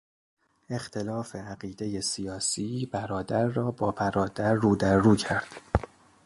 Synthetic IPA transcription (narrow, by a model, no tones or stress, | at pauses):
e̞xt̪ʰe̞lɒːfe̞æɢiːd̪e̞je̞sijɒːsiːbæɾɒːd̪æɾːɒːbɒːbæɾɒːd̪æɾːuːd̪æɾːuːcʰæɾd̪̥